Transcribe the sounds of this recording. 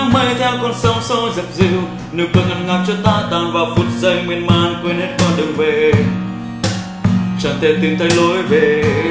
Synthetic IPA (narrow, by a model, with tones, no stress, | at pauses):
mmə˧jt̪ʰɛ˧wkɔ˧˩nsə˧˦wŋ͡mso˧˦zi˨˩p̚zi˧w | nɨ˨˩k̚kɨ˨˩kŋʔa˧˩nŋa˨˩p̚t͡ɕɔ˧t̪aː˧˩t̪aː˨˩nvaː˨˩wfu˨˩t̚zə˧jŋwi˧ənmaː˧˨nkwe˧˦nhe˦˥t̚kɔ˧˦ɗɨ˨˩ŋve˨˩ | t͡ɕa˨˩nt̪e˧˩nt̪i˧˩mt̪ʰə˧˦jlo˧˦jve˨˩